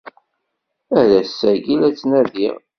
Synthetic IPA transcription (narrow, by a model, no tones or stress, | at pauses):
æɾæsːæɡilæt͡sːnæðiʁ